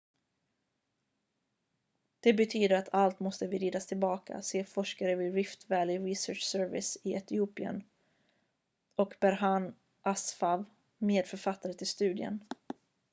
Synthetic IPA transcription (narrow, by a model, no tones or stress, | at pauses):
d̪̥ɛbɛt̪ʰyːd̪əɾat̪ʰalt̪mɔst̪əvɪɾiːd̪ast̪ʰɪlbɑːkʰa̰seːfɔʂkaɾəvɪːɾɪft̪væːlɪɾɪsœːʂsœɾvɪ̰sɪɛt̪ɪuːpɪə̰n | ʔɔkbæɾɦan | ʔasfav | meːd̪fœɾfat̪ːaɾət̪ʰɪlst̪ʉ̟ːd̪ɪə̰n